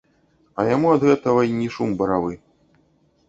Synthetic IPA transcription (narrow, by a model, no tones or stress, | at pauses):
ɐjamuɐd̪ɣɛt̪ɐɣɐinʲiʂumbɐɾavɨ